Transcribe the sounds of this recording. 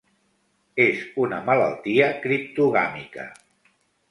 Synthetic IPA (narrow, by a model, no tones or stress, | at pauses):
ezunəmələ̰lˠt̪iəkɾip̚t̪uɣa̰mikə̰